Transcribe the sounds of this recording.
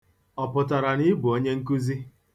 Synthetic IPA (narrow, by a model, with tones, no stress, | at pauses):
ɔ˨pʊ˨t̬a˨ɾa˨ni˦bʊ˨o˦ɲe˦ŋ̩˦k̬u˦zi˦